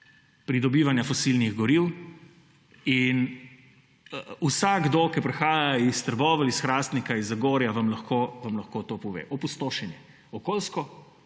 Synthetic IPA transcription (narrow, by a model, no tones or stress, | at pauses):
pɾid̪ɔbiːʋanjafɔsilniɣɡɔɾiw | in | usaɡɡd̪okɛpɾɛxaːjaist̪əɾbɔːʋɐlisxɾaːst̪nikaizaɡoːɾjaʋɐmlɐxkoːʋɐmlɐxkot̪oːpɔʋḛːʔɔpust̪oːʃɛnjɛ | ɔkoːlskɔ